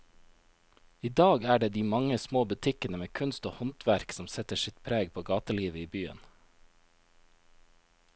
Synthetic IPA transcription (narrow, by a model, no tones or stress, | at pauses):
iːd̪ɑːɡæːɖeːd̪iːmɑŋəsmoːbʉt̪ʰɪkənəmeːkʰʉnst̪oːhɔnt̪ʰʋæɾksɔmsɛt̪əsɪt̪pʰɾeːɡpʰoːɡɑːt̪əliːʋəiːbyːə̰n